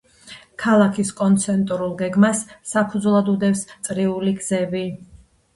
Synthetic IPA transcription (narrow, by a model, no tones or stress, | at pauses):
kʰalˠakʰiskʼɔnt̪sʰɛnt̪ʼuɾulˠɡɛɡmasːapʰud̪zlˠad̪ud̪ɛfst̪sʼɾiuliɡzɛbi